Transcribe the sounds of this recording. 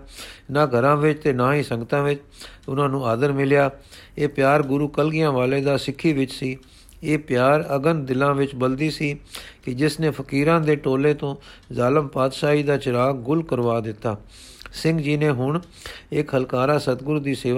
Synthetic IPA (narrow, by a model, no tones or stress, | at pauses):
naːɡʱəɾãːʋɪt͡ʃt̪eːnãːɦiːsə̃ŋɡət̪ãːʋɪt͡ʃ | ʊnãːnũːaːd̪əɾmɪlɪjaː | eːpjaːɾɡʊɾuːkəlɡɪjãːʋaːleːd̪aːsɪkʰːiːʋɪt͡ʃsiː | eːpjaːɾəɡənd̪ɪlãːʋɪt͡ʃbəld̪iːsiːkɪd͡ʒɪsneːpʰəkiːɾãːd̪eːʈoːleːt̪õːzaːləmpaːd̪ʃaːɦiːd̪aːt͡ʃɪɾaːɡʊlkəɾʋaːd̪ɪt̪ːaː | sɪ̃ŋɡd͡ʒiːneːɦʊɳ | ɪkɦəlkaːɾaːsət̪ɡʊɾuːd̪iːseː